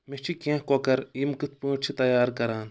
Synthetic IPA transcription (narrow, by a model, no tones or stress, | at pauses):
mit͡ʃʰikẽːɦkoːkɐɾimkɨt̪̚ʰpũːʈt͡ʃʰit̪ɐjaːɾkɐɾaːn